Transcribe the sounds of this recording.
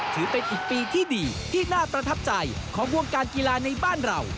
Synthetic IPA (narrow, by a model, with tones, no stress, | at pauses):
t̪ʰɯː˩˦pe˧nʔiː˨˩k̚piː˧t̪ʰiː˥˩diː˧t̪ʰiː˥˩naː˥˩pɾa˧t̪ʰa˦˥p̚t͡ɕa˧jkʰɔː˩˦ŋwu˧ŋkaː˧nki˧laː˧na˧jbaː˥˩nɾa˧w